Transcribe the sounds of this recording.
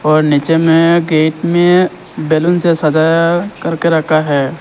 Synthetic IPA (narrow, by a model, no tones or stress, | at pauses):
ɔːɾnit͡ʃemẽɡeːʈmẽ | belʊnsesəd͡ʒaːjkəɾkeɾɐkʰaɦɛː